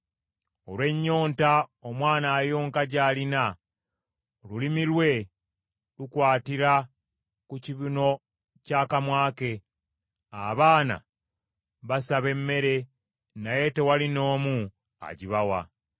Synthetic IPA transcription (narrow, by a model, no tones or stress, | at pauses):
o̞lwe̞ɲːo̞ːntaomwaːnaːjo̞ːŋkaɟaːlina | lulimilwe̞ | lukwaːtiɾa | kuciβino̞ | caːkamwaːke̞ | aβaːna̰ | βasaβe̞mːe̞ɾe̞ | naje̞te̞walino̞ːmu | a̰ɟiβawa̰